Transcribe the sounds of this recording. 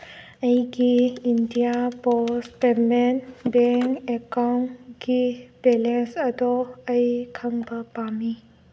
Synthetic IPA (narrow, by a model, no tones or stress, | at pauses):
ɐjɡiindijapɔspemenbɛŋekawnɡib̥ɛlensɐdɔɐjkʰɐŋbɐpami